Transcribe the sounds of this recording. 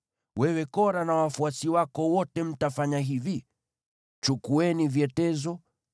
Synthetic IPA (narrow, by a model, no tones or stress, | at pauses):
wɛwɛkɔɾanawafuasiwakɔwɔtɛm̩tafaɲaɦivi | t͡ʃukuɛnivjɛtɛzɔ